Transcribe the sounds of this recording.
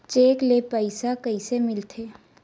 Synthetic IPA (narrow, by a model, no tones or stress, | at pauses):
t͡ʃeːklepəɪsakəisemɪlt̪ʰeː